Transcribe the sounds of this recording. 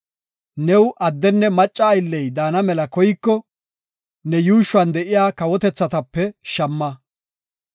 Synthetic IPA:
nɛwʔɐd̪ːɛnːɛmɐt͡ʃʼːɐːjlːɛjd̪aːnɐmɛlɐkɔjɪkːɔ | nɛjuːʃʊwɐnd̪ɛʔɪjaːkɐwɔt̪ɛt͡sːɐt̪ɐpːɛʃɐmːɐ

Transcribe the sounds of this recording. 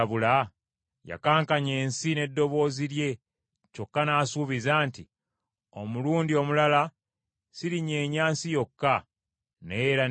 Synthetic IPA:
βula | ja̰kaːŋkaɲe̞ːnsine̞dːo̞βo̞ːziɾje̞ | co̞kːanaːsuːβizaːnti | o̞muluːndio̞mulala | siɾiɲe̞ːɲaːnsijo̞kːa | neɾa

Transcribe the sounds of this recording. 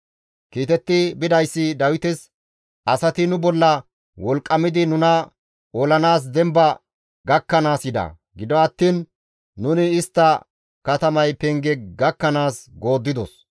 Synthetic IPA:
kiːt̪ɛt̪ːɪbɪd̪ɐjsːɪd̪ɐwɪt̪ɛs | ʔɐsɐt̪ɪnʊbɔlːɐ | wɔlkʼːɐmɪd̪ɪnʊnɐ | olɐnaːs̬d̪ɛmbɐ | ɡɐkːɐnaːsjɪd̪ɐ̰ | ɡɪd̪ɔɐt̪ːiːnː | ʊnɪːst̪ːɐ | kɐt̪ɐmɐjpɛŋɡɛɡɐkːɐnaːsɡo̞ːd̪ːɪd̪ɔs

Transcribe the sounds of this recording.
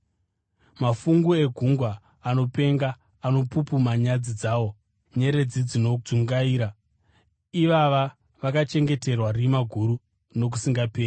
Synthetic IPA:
mafuŋɡue̞ɡʱuŋɡwaː | no̞pe̞ŋɡaː | no̞pupumaɲad͡zid͡zaːwo̞ | ɲe̞ɾe̞d͡zid͡zino̞uŋɡaiːɾa | iʋaʋa | ʋakat͡ʃe̞ŋɡe̞te̞rwarimaɡʱuɾu | no̞k̬usiŋɡapeːri

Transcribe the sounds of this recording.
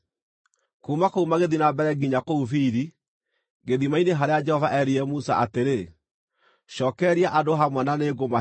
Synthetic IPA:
koumakoumaɣeðinabɛɾɛɡiɲakoufiɾi | ɡeðimaineɦaɾead͡ʒɛhɔvaʔɛɾiɾɛmusa̰ʔateɾe | ɕɔːkɛɾiaʔadoɦamwɛnaneɡoma

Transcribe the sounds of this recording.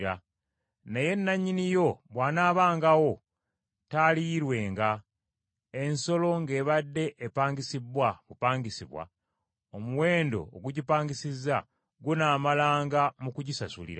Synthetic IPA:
ɾa | neje̞nːaɲːinijo̞βwaːnaːβaːŋɡawo̞ | taːliɾwe̞ːŋɡa | e̞nso̞lo̞ŋɡe̞ːβadːe̞ʔːpaːɲɡisibwamupaːŋɡisiβwa̰ | omuwe̞ːndo̞̰ːɡuɟipaːŋɡisizːa | ɡunaːmalaːŋɡamukuɟisasṵlḭɾa

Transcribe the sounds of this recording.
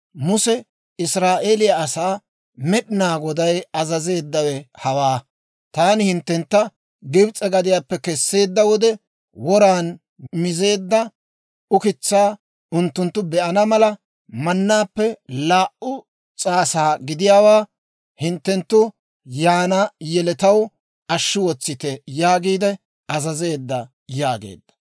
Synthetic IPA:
mʊsɛ | ɪsɾaːʔeːlɪjaːsaː | mɛɗɪnaːɡɔd̪ɐjɐzɐze̞ːd̪ːɐwɛhɐwaː | t̪aːnɪhɪnt̪ːɛnt̪ːɐ | ɡɪbt͡sʼɛɡɐd̪ɪjaːpːɛkɛsːe̞ːd̪ːɐwɔd̪ɛ | wɔɾaːn | mɪze̞ːd̪ːɐ | ʊkɪt͡sːaː | ʊnt̪ːʊnt̪ːʊbɛʔɐnɐmɐlɐ | mɐnːaːpːɛlaːʔʊ | t͡sʼaːsaːɡɪd̪ɪjaːwaː | hɪnt̪ːɛnt̪ːʊ | jaːnɐjɛlɛt̪ɐw | ɐʃːɪwɔt͡sːɪt̪ɛjaːɡiːd̪ɛ | ɐzɐze̞ːd̪ːɐ | jaːɡḛːd̪ːɐ̥

